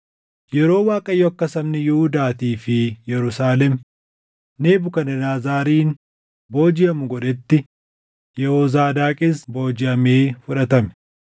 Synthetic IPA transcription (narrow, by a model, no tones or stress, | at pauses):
jɛɾo̞ːwaːkʼɐjɔɐkːɐsɐmnɪjʊhʊd̪aːt̪iːfɪjɛɾʊsaːlɛm | ne̞ːbʊkɐnɐnaːzaːɾiːn | bo̞ːd͡ʒɪɐmʊɡɔᶑɛt̪ːɪ | jɛhɔzaːd̪aːkʼɪsbo̞ːd͡ʒɪʔɐmeːfʊᶑɐt̪ɐmɛ̥